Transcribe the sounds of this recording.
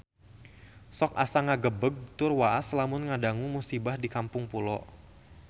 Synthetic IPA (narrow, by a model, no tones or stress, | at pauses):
sɔka̰saŋaɡəbəɡ̚t̪ʊrwaʔaslamʊnŋadaŋumusibahdikampʊŋpulɔʔ